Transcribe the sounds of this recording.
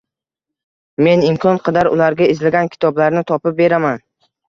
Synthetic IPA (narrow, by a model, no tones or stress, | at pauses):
me̞nɪmkʰɒnqʰɨd̪aɾʊ̰laɾɡʲaɪzlaɡʲankʲʰɪ̥t̪ʰɒblaɾnɪt̪ʰɒpɪp̚be̞ɾaman